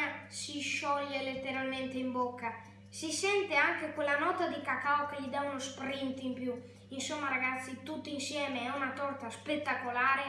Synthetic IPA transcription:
asiʃɔʎːelet̪ːeɾalment̪eimbɔkːa | sisɛnt̪eaŋkekwelanɔt̪ad̪ikakaokeʎid̪aunospɾint̪impju | insɔmːaɾaɡat̪sːit̪ut̪ːinsjɛːmeɛunat̪ɔɾt̪aspet̪ːakolaːɾe

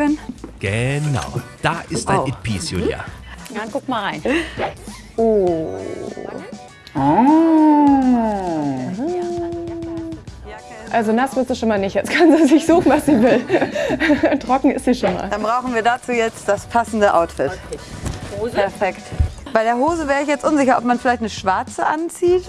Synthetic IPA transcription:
ɛnɡ̥əna̰ʊd̥aːʔɪst̚eʊɪpʰḭːsjo̰ja̰ːjaɡʊkmalʁaɪn | ʔoː | ʔalzonasv̥ɪɐstuʃonmaːlnɪçtɛt͡sskʰanzizɪçz̥uːxn̩vasz̥iːvɪl | tʁ̥ɔkŋ̩ɪstz̥iːʃonma̰ːld̥anbʁaʊxn̩viːɐdaːt͡suːjɛt͡std̥aspʰasn̩dəʔaʊtfɪt | pʰɛɐfɛktb̥aɪɾeːɐɦoːzəvɛːʁ̞əɪçjɛt͡stʔʊnzɪçɐʔɔpmanfɪlaɪçtnəʃv̥aɐt͡səʔant͡siːt

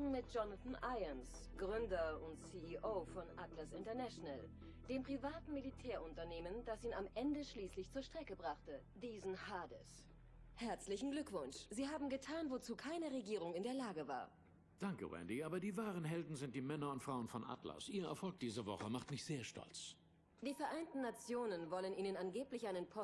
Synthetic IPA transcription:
mɪt̚d͡ʒ̥ɔnaθn̩ʔaɪɐns | ɡ̥ʁʏndɐʊntsiiʔoːfɔnʔatlasɪntɐnɛʃonal | d̥eːmpʁ̥ivaːtn̩militʰɛːɐʔʊntɐneːməndasiːnamʔɛndəʃliːslɪçt͡suːɐʃtʁ̥ɛkəbʁaχtə | diːzn̩haːdɪ̰s | hɛɐt͡slɪçn̩ɡlʏkv̥ʊnʃz̥iːhaːbm̩ɡətʰaːnvot͡suːkʰaɪnəʁeɡiːʁʊŋɪndeːɐlaːɡəva̰ːɐ | d̥aŋkə̰wɛ̰ndiʔaːbɐdiːvaːʁənɦɛldn̩zɪnt̚d̥iːmɛnɐʊntfʁ̥aʊənfɔnʔa̰tla̰sʔiːɐɛ̰ɐfɔlk̚d̥iːzəvɔ̰χəmaχtmɪçz̥eːɐʃtɔ̰lt͡s | d̥iːfɛɐʔaɪntn̩ːat͡sjoːnənvɔlənʔiːnənanɡeːplɪçʔaɪnənpʰɔ

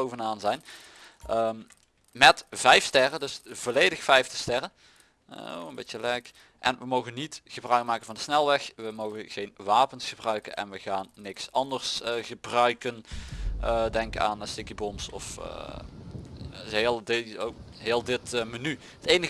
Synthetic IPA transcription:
owvənaːnzɛjn | ʔəːm | mɛtv̥ɛjfstɛrədɵsvoːlejdəxfɛjftəstɛrə̰ | ənbejtəlɛk | ʔɛ̰nʋəmowɣənːitɣəbrœɥk̚maːkən̩vɑndəsnɛlˠʋɛxʋəmowɣənɣejnʋaːpənsxəbrœɥkə̰nɛ̰nʋəɣaːnːɪksɑndərsɣəbrœɥkənədɛŋka̰ːnstɪkibɔmsɔ̰fə̰ | ɦeːlˠdoɦeːlˠdɪtməny | ətejnəɣ

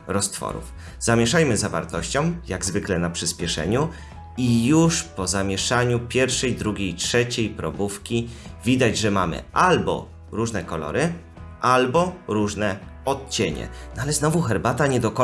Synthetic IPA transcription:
ɾɔst̪fɔ̰ɾṵf | z̥amʲjɛʂajmɘzava̰ɾt̪ɔɕt͡ɕɔ̃w̃jaɡzvɘklɛnapʂɘspʲjɛʂɛ̰ɲu | ijuʂpɔzamʲjɛʂaɲupʲjɛɾfʂɛjd̪ɾuɡʲejtʂɛt͡ɕejpɾɔbufkʲivʲid̪ad͡ʑʐɛmamɘ̰ʔalbɔ̰ | ɾuʐnɛkɔlɔ̰ɾɘ | ʔalbɔɾuʐnɛ | ɔt̪̚t͡ɕeɲɛ̰nalɛznɔvuxɛɾbat̪aɲɛd̪ɔkɔ

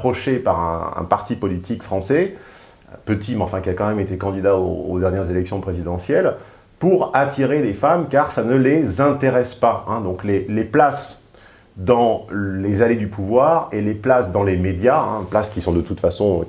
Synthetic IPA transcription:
χɔʃepaʁɛ̰̃ɛ̰̃paʁt̪ipɔlit̪ʰikfχɑ̃sɛ | pət̪ʰimɑ̃fɛ̃kʲiakɑ̃mɛmet̪ekɑ̃d̪id̪ao̰ːd̪ɛʁnjɛʁzelɛksjɔ̃pχezid̪ɑ̃sjɛl | puʁat̪ʰiʁelefamkaʁsanəlezɛ̃t̪eʁɛspaɛ̃d̪ɔ̃kleleplas | d̪ɑ̃lezaled̪ypʰuvwaːʁeleplasd̪ɑ̃lemed̪jaɛ̰̃plaskʲisɔ̃d̪ət̪ut̪fasɔ̃

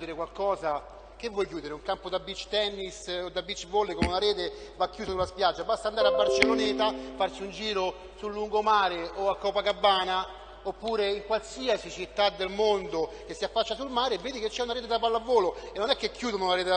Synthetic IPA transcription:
d̪eɾekwalkɔːza | k̟evːwɔjkjuːd̪eɾeuŋkampod̪abːit͡ʃːt̪ɛnːisod̪abːit͡ʃːvoːlekomunaɾɛːt̪evakːjuːsasulaspjad͡ʒːabast̪aːnd̪aɾeabːart͡ʃelːoneːt̪afart͡ʃiund͡ʒiːɾo | sulːuŋɡomaːɾeoakːɔːpakabːaːna | opːuːɾeiŋkwalsiasit͡ʃit̪ːad̪ːelmond̪ok̟esːiafːat͡ʃːasulmaːɾevːeːd̪iket͡ʃːɛunaɾeːt̪ed̪apalːavːoːloenːonɛkːekʰːjuːd̪onounaɾeːt̪e

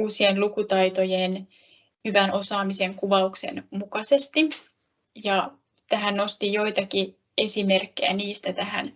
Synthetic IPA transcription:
uːsienlukut̪ɑjt̪ojen | hyʋænʔo̞sɑːmise̞ŋkuʋɑukse̞̰nmukɑse̞st̪i | jɑ | t̪æɦænno̞st̪ijo̞jt̪ɑki | e̞sime̞rkːejæ̰niːst̪æt̪æhæ̰n

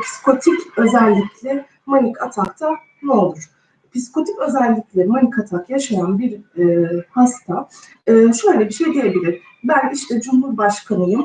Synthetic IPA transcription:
pʰi̥skʰo̞t̪ʰicø̞zɛlʲːicʰlʲɪ | monikʰat̪ʰakt̪ʰa | nɛolˠuɾ̥ | pʰisko̞t̪ʰikø̞zɛlʲːicʲlʲimanikʰat̪ʰakjaʃajanbiɾː | hast̪ʰa | ɯːʃø̞jlʲɛbiʃe̞jd̪ije̞bilʲiɾ̥ | bæniʃt̪ʰɛd͡ʒumhuɾbaʃkʰanɯjɯm

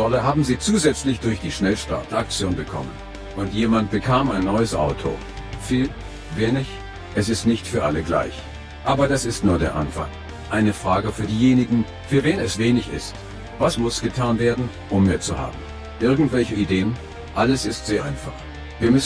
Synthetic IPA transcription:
ɔləɦaːbm̩ziːt͡suːzɛt͡slɪçd̥ʊɐçd̥iːʃnɛlʃta̰ɐtak̚t͡sjoːnbəkʰɔ̰mən | ʔʊntjeːmant̚b̥əkʰaːmaɪnːɔʏəsʔa̰ʊtʰo̰ | fiːl | veːnɪç | ʔɛsɪstnɪçtfyːɐʔa̰ləɡla̰ɪç | ʔaːbɐdasɪstnuːɐdeːɐʔa̰nfa̰ŋ | ʔaɪnəfʁ̥aːɡəfyːɐdiːjeːnɪɡŋ̩ | fyːɐveːnɛsv̥eːnɪçɪ̰st | vasmʊsɡ̥ətʰaːnveːɐdn̩ | ʔʊmːiːɐt͡suha̰ːbm̩ | ʔɪɐɡŋ̩tv̥ɛlçəideːən | ʔaləsɪstz̥eːɐʔaɪnfaχ | viːɐmʏs

